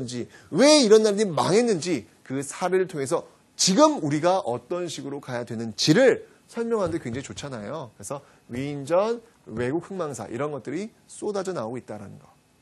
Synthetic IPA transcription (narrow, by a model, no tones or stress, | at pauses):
nd͡ʑi | we̞iɾʌnːaɾɾima̰ŋɦe̞nːɯnd͡ʑi | kɯsʰaɾeɾɯɭtʰoŋɦe̞s̬ʰʌ | t͡ɕiɡɯmuɾiɡaʔʌt͈ʌnɕʰiɡɯɾokajadwe̞nɯnt͡ɕiɾɯɭ | sʰʌɭmjʌŋɦandekweŋd͡ʑeit͡ɕot͡ɕʰanajokɯɾe̞sʰʌ | ɥiːnd͡ʑʌn | we̞ɡuk̚hɯŋmaŋsʰa̰ʔḭɾʌnɡʌt̚t͈ɯɾi | s͈odad͡ʑʌnaoɡoit̚t͈aɾa̰nɯnɡʌ